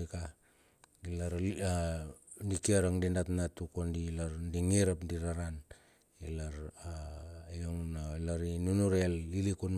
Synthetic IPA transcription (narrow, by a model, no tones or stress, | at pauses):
ka | ilaɾa | ndikiaɾaŋdindatnatukondilaɾndiŋiɾapndiɾaɾan | ilaɾajoŋnailaɾinunuɾelːilikun